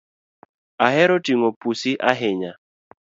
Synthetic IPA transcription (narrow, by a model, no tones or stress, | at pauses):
aɦɛɾotiŋopusiʔaɦɪɲa